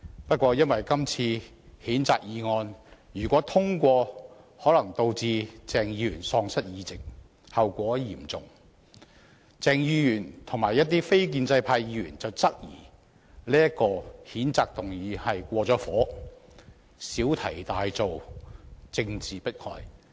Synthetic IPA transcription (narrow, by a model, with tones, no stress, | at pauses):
pɐ˥t̚kʷɔː˧jɐ˥nwɐ˨jkɐ˥mt͡sʰiː˧ | hiː˨˥nt͡saː˧k̚jiː˨˧ŋɔː˧njyː˨˩kʷwɔː˨˥t̪ʰʊ˥ŋkʷɔː˧ | hɔː˨˥lɐ˨˩ŋt̪o˧wt͡siː˧t͡sɛː˨ŋjiː˨˧jyː˨˩nsɔː˧ŋsɐ˥t̚jiː˨˧t͡sɪ˨k̚ | hɐ˨wkʷɔː˨˥jiː˨˩mt͡sʊ˨ŋ | t͡sɛː˨ŋjiː˨˧jyː˨˩nt̪ʰʊ˨˩ŋmaː˨˩jɐ˥t̚t̪iː˥fe˥jk̬iː˧nt͡sɐ˧jpʰaː˧jji˨˧˥jyː˨˩nt͡sɐ˨wt͡sɐ˥k̚jḭː˨˩ | liː˥jɐ˥kːɔː˧hiː˨˥nt͡saː˨k̚t̪ʊ˨˩ŋjiː˨˧hɐ˨jkʷɔː˧t͡sɔː˨˥fɔː˨˥ | siː˨˥wt̪ʰɐ˨˩jt̪aː˨jt͡so˨w | t͡sɪ˧ŋt͡siː˨pɐ˥t̚kʰɔ̰ː˨˧j